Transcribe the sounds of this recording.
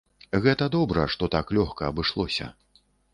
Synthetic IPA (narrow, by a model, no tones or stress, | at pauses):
ɣɛt̪ɐd̪ɔbɾɐ̰ʂt̪ɔt̪aklʲɔxkɐːbɨʂlˠɔsʲɐ̰